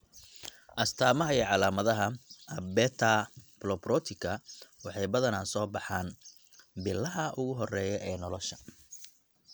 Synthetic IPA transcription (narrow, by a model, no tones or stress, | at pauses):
ʔɐst̪ʰaːmɐɦɐɛʕɑlaːmɐðɐɦɐɐbɛːt̪ʰaplɔprɔːt̪ʰɪkʰɐwɑħɑjbɐðɐnaːsɔːbɑħaːn | bɪlːɐɦɐʔʊɣʊɦɔrɛːjɛʔɛːnɔlɔʃɐ̥